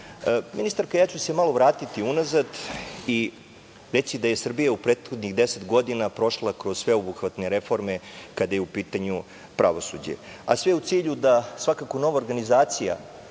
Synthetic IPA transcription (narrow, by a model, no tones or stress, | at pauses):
minist̪aɾkajaːt͡ɕuse̞malˠo̞ʋɾaːt̪it̪iunazad̪i | ɾet̪sid̪aje̞sr̩bijaupɾeːt̪xo̞d̪niɣd̪e̞set̪ɡo̞d̪inapɾo̞ʃlˠakɾo̞zsʋe̞obuxʋat̪ne̞ɾe̞fo̞ɾme̞kad̪ajeupiːt̪aɲu | pɾʔa̰ʋo̞sud͡ʑḛa̰sʋeut̪siːʎud̪asʋakakono̞ʋaoɾɡanizaːt̪sija̰